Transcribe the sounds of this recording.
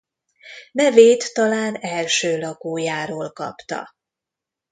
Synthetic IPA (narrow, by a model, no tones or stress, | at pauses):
mɛveːt̪ːɒlaːnɛlʃøːlɒkoːjaːɾoːlkɒ̰pt̪ɒ̰